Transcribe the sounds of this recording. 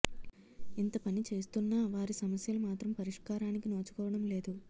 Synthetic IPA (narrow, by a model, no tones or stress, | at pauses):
int̪ɐpɐnit͡ʃe̞ːst̪unːaːʋaːɾisɐmɐsjɐlumaːt̪ɾɐmpɐɾiʂkaːɾaːnikinoːt͡ʃu̥kɔːʋɐɽɐmle̞ːd̪u